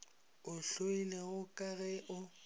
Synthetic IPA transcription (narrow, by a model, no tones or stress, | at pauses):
ʊɬoinaɣʊkʼaɣɛʔʊ